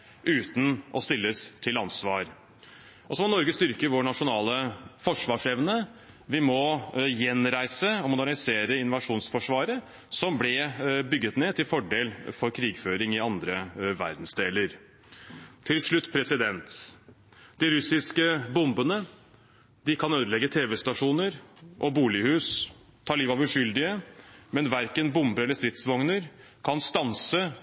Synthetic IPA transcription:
ʔʉːt̪n̩ʔɔst̪ɪlːəst̪ʰɪlɑnsʋɑːɾ | ʔɔsɔmɔnɔɾɡəst̪ʏɾkəʋoːɳɑʂʊnɑːləfɔʂʋɑːʂɛʋnə | ʋɪmɔjɛnɾæɪsəɔmʊd̪æɳɪseːɾəɪnʊʋɑʂuːnsfɔʂʋɑːɾə | sɔmblɛbʏɡːət̪neːt̪ʰɪlfɔɖeːlfɔɾkʰɾiːɡføːɾɪŋɪɑnd̪ɾəʋæ̰ɾd̪n̩sd̪eːləɾ | t̪ʰːɪlʂɭʉt̪ːpʰɾɛsɪd̪ɛnt̪ | d̪̥ɪɾʉsɪskəbʊmbənə | d̪ɪkʰɑnøːd̪əɭɛɡːət̪ʰeːʋɛst̪ɑʂuːnəɾʔɔbuːlɪhʉːs | t̪ʰɑːɭiːʋɑʋʉʂʏld̪ɪəmɛnʋæɾkənbʊmbəɾɛlːəst̪ɾɪt̪sʋɔŋnəɾ | kʰɑnst̪ɑnsə

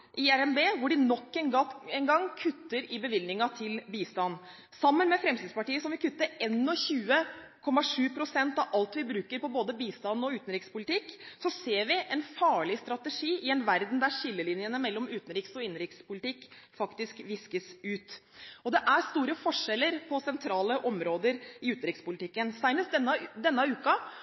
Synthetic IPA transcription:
ʔɪæɾɛnbeːʋʊɖɪnɔkːɛnɡɑɛnɡɑŋːkʰʉt̪ːəɾɪbəʋɪlnɪŋɑt̪ʰɪlbiːst̪ɑnː | sɑmːənmɛfɾɛmsiːd̪spɑʈiːəsɔmʋɪkʰʉt̪ːəɾɛnːɔçʉːəkʰɔmːɑʂʉːpʰɾʊsɛnt̪ɑʋʔɑlt̪ʋɪbɾʉːkəɾpɔboːd̪əbiːst̪ɑnːɔʉːt̪nɾɪkspʊlɪt̪ɪkːsɔseːɾʋɪʔɛnfɑːɭɪst̪ɾɑt̪əʂiːɪɛnʋæɾd̪n̩d̪æɾçɪlːəlɪnjənəmɛlːɔmʉːt̪n̩ɾɪksɔɪnɾɪkspʊlɪt̪ɪkː | fɑkt̪ɪskʋɪskəsʉːt̪ɔd̪ɛʔæɾst̪uːɾəfɔʂɛlːəɾpʰɔsɛnt̪ʰɾɑːləʔɔmɾoːd̪əɾɪʉːt̪n̩ɾɪkspʊlɪt̪ʰɪkːənsæɪnəsd̪ɛnːəd̪ɛnːəʉːkɑ

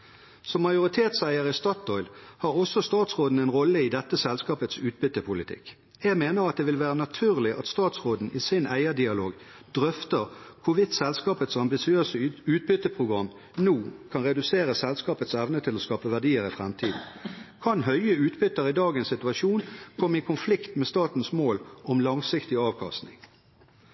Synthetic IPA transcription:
sɔmːɑjʊʁɪt̪ʰeːt̪sæɪəʁɪst̪ɑt̪ɔʏlhɑːʁɔsːɔst̪ɑːt̪sʁoːd̪n̩ɛnʁɔlːəɪd̪ɛt̪ːəsɛlskɑːpət̪sʉːt̪̚bʏt̪ːəpʰʊlɪt̪ʰɪ̰k | jæɡmeːnəʁɑt̪̚d̪eːʋɪlʋæːʁənɑt̪ʰʉːʁlɪʔɑ̰t̪st̪ɑːt̪sʁoːd̪n̩ʔɪsɪnæɪəd̪ɪɑloːɡ | d̪̥ʁœft̪əʁkʰʊʋɪt̪sɛlskɑːpət̪sɑmbɪsɪøːsəʉːt̪̚bʏt̪ːəpʰʁʊɡʁɑm | noːkʰɑnʁɛd̪ʉseːʁəsɛlskɑːpət̪sɛʋnət̪ʰɪlɔskɑːpəʋæʁd̪iːəʁɪfʁɛmt̪ʰiːd̪n̩kʰɑnɦœʏəʉːt̪bʏt̪ːəʁɪd̪ɑːɡənsɪt̪ʉɑʃuːnkʰɔmːəɪkʰʊnflɪkt̪mɛst̪ɑːt̪n̩smoːlɔmlɑŋsɪkt̪ɪɑːʋkʰɑ̰st̪nɪ̰ŋ

